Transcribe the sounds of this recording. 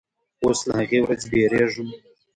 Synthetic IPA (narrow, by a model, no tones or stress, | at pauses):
oslahaɣewɾad͡zbeɾeʐum